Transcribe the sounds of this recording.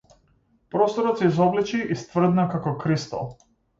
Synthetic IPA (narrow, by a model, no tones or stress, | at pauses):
pɾɔst̪ɔɾɔt̪sʲɛizɔblɛt͡ʃiʔːst̪vr̩d̪nakakɔkɾist̪ɔ̰lˠ